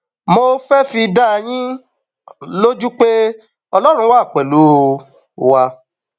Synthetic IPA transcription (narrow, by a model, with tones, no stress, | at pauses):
mo˧fɛ˦fi˧da˦˧j̃ĩ˦ | lo˦d͡ʒu˦k͡pe˦ | ɔ˧lɔ˦ɾ̃ũ˧˦wa˦˨k͡pɛ˨lu˨˦˧ | wa˧